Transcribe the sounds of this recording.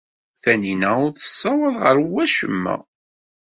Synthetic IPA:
θæninæʊɾθə̥sˤːɑwæðʁəɾwæʃə̰mːæ̰

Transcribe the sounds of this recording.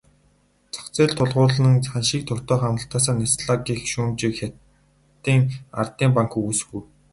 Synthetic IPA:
t͡sʰɔ̥kt͡seːɮt̪ʰʊɮʁʊːɮə̆ŋanʃiːk̚t̪ʰʊr̥t̪œːχamə̆ɬt̪aːsaːnesɮaɡiːxʃuːmt͡ɕikxʲa | t̪iːŋa̰rt̪iːmpaŋkuujsxuj

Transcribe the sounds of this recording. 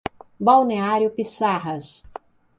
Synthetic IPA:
bawneaɾjʊpisaɦɐs

